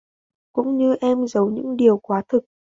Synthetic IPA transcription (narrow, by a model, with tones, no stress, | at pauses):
kʊ̰˧˥ŋ͡mɲɨ˧ʔɛ˧mzə˨˦wɲɨ̰˧˥ŋɗi˨˩əwkwaː˨˦t̪ʰɨ˨˩k̚